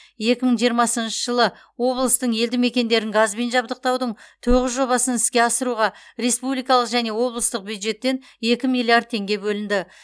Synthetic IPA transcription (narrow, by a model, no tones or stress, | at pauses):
je̞kʲɪməɴʒijəɾmɑsənʃəʒəlˠə | wo̞blˠəst̪əɴje̞ld̪ɪme̞kʲe̞nd̪e̞ɾɪŋɡazbenʒɑbd̪əq̚t̪ɑwd̪əɴt̪ʰoʁəzʒo̞βɑsənɪskʲe̞ɑsəɾuʁɑɾe̞spublijkɑlˠəqʒæne̞wo̞blˠəst̪əq̚bjud̪ʒe̞t̪ːe̞n | je̞kʲɪmijlˠijard̪̚t̪ʰe̞ŋɡʲe̞bɵlɪnd̪ɪ